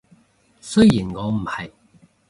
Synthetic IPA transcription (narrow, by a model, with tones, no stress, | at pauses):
sɵ˥ɥjiː˨˩nŋɔː˨˧m̩˨˩hɐ˨˩j